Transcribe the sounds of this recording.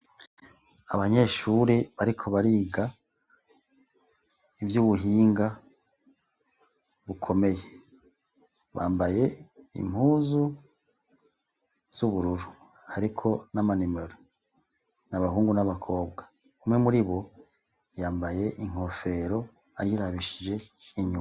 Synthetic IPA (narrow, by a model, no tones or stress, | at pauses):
a̰βaɲe̞ʃuːɾiβaɾikʰo̞βaɾiːɡa | ivjuːβuɦiːŋɡa | βukʰo̞me̞je | βaːmbaje̞ḭmhuːzu | z̥uβuɾuɾu | haɾikʰo̞namanimeɾo | naβahuːŋɡunaβakʰo̞ːbɡa | umŋe̞muɾiβo̞ | jaːmbaje̞ʔiŋ̥ho̞fe̞ɾo̞ | ajiɾaβiʃid͡ʒe̞iɲu